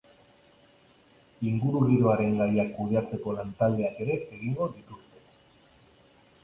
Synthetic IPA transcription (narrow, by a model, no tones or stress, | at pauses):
iŋɡuɾuɣiɾo̞aɾe̞ŋɡajakːuð̞e̞at͡se̞ko̞lant̪ald̪e̞ake̞ɾe̞eɣiŋɡo̞ðit̪ust̪e̞̥